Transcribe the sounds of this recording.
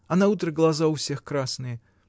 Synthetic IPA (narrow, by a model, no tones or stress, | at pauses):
ɐnɐut̪ɾəɡlˠɐzaʊfsʲe̞xkɾasnɨjə